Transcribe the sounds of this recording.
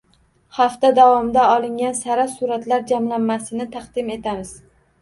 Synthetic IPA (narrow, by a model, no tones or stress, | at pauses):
haft̪ad̪avɒmɪd̪aɒlɪŋɡʲansaɾasuɾat̪laɾd͡ʒamlanːasɪnɪt̪ʰɑqd̪ɪme̞t̪ʰamɪz̥